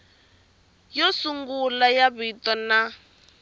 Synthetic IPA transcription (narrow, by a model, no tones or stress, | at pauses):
jɔsuŋɡulajaβitɔna